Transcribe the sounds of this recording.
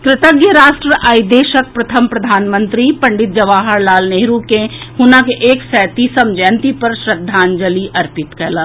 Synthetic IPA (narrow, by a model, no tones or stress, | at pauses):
kɾɪt̪əɡjəɾaːʃʈɾəʔaːjd̪eːʃək̚pɾɐt̪ʰəmpɾɐd̪ʱaːnmə̃nt̪ɾipɐ̃ɳɖɪt̪̚d͡ʒɐʋaːɦəɾlaːlneːɦɾukẽhʊnakeʔeːksɛːt̪iːsəmd͡ʒɛːnt̪ipɐɾʃɾəd̪ʱːaːnd͡ʒəliʔɐɾpɪt̪kɐlaː